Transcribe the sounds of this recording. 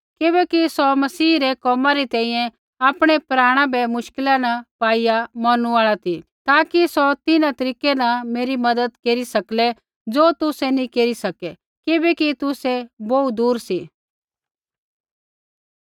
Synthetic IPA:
kɪbɛkisɔmɐsiːɾɛkɔːmãɾit̪ɛ̃ːĩjɛ̃ | aːpɽ̃ɛpɾaːɽ̃ãbɛmʊʃkɪlanɐpaːijamɐñũaːɭat̪it̪aːkisɔt̪ɪnãt̪ɐɾiːkenɐmeːɾimɐd̪əd̪keːɾisɐklɛ | d͡zoːt̪ʊsɛnĩkeːɾisɐkɛ | kɪbɛkit̪ʊsɛboud̪uːɾsi

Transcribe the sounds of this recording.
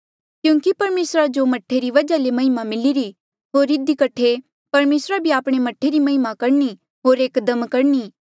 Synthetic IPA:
kjũːŋkipɐɾmeːsɾad͡ʒomɐʈʰːeɾiʋɐd͡ʒalemɐɦɪmamɪliɾi | ɦoːɾːɪd̪ikɐʈʰe | pɐɾmeːsɾabʱiaːpɽ̃emɐʈʰːeɾimɐɦɪmakɐɾni | ɦoːɾeːkəd̪əmkɐɽniː

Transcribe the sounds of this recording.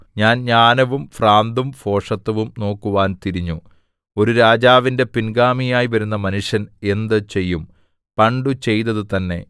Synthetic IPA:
ɲaːnɲaːnɐʋumfraːnd̪umfo̞ːʂɐt̪ːɐʋumno̞ːkːuʋaːnt̪iɾiɲːu | o̞ɾuɾaːd͡ʑaːʋinde̞pinɡaːmijaːjiʋɐɾunːɐmɐnuʂjɐne̞nd̪ɨt͡ɕe̞jːum | pɐɳɖut͡ɕe̞jt̪ɐðɨt̪ɐnːe̞̰

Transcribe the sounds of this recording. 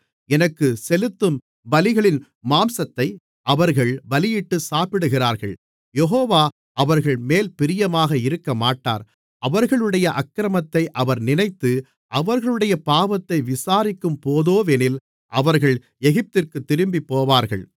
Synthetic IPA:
ɛnɐkːɯsɛlɯt̪ːɯm | bɐlɪɣɐɭɪn | maːmsɐt̪ːɐɪ | ʔɐʋɐɾɣɐɭbɐlɪjɪʈːɯsaːpɪɽɯɣɪraːɾɣɐ̰ɭ | jɛɦoːʋaː | ʔɐʋɐɾɣɐɭmeːlpɪɾɪjɐmaːɣɐɪɾɯkːɐmaːʈːa̰ːɾ | ʔɐʋɐɾɣɐɭɯɽɐjɐʔɐkːɾɐmɐt̪ːɐɪʔɐʋɐɾnɪnɐɪt̪ːɯ | ʔɐʋɐɾɣɐɭɯɽɐjɐpaːʋɐt̪ːɐɪʋɪsaːɾɪkːɯmpoːðoːʋɛnɪl | ʔɐʋɐɾɣɐɭ | ɛɣɪp̚t̪ɪrkɯt̪ːɪɾɯmbipːoːʋaːɾɣɐ̰ɭ

